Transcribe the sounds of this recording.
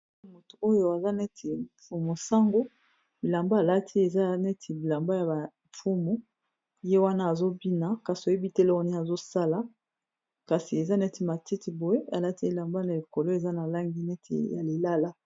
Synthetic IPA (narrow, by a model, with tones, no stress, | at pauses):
mo˨tu̥˨o˦jo˨a˨za˦nɛ˦tʰi˨fu˨mo˨sa˦ŋɡo˦ | bi˨la˨mba˦˨la˦tʰi˦e˨za˦nɛ˦tʰi˨bi˨la˨mba˦ja˨ba˨ | fu˦mu˦ | je˦wa˦naː˦˨zo˦bi˦na˨ka˨si˨o˨je˦bi˦te˦le˦o˦ni˦a˨zo˦sa˦la˨ | ka˨si˨e˨za˦nɛ˦ti˦ma˨ti˦ti˨bo˨je˦a˨la˦ti˦e˨la˨mba˦na˨i˨ko˨lo˦e˨za˦na˨la˦ŋɡi˦nɛ˦tʰḭ˨ja˨le˨la˦la˦